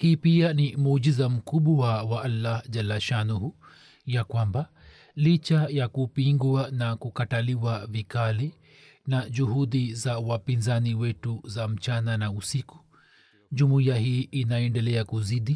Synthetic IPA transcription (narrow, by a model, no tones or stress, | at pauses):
hiːpianimuːʄizam̩kuɓuwawaʔalːahʄalaʃanuhu | jakwamba | lit͡ʃajakupiŋɡwanakukataliwavikali | naʄuhuɗizawapinzaniwɛtuzam̩t͡ʃananausiku̥ | ʄumuiahiːʔinaɛndɛlɛakuziɗi